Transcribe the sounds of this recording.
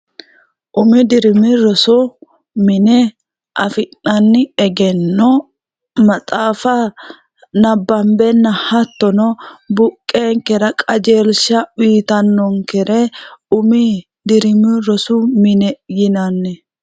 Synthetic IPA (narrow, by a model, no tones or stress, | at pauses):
ʔʊmɪd̪ɪɾɪmɪɾɔsɔ | mɪnɛ | ʔɐ̰fɪnːɐnːɪɛɡɛnːɔ | mɐt̪ʼaːfa | nɐbːɐmbɛnːɐhɐt̪ːɔnɔbʊkʼːeːŋkɛɾɐkʼɐd͡ʒeːlʃɐiːt̪ɐnːɔŋkɛɾɛʊmɪ | d̪ɪɾɪmɪɾɔsʊmɪnɛjɪnɐnːɛ